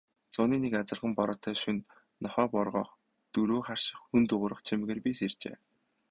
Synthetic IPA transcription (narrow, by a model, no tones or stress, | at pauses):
t͡sʊːniːnekat͡sə̆rʁə̆mpɔɾɔːt̪ʰœːʃunː | ɔχœːpɔrʁɔ̰ːχ | t̪ɵɾuːχar̥ʃɪ̆χxunt̪ɵʁʊːɾə̆χt͡ɕʰim̆ɣeːrpʲisert͡ɕḛː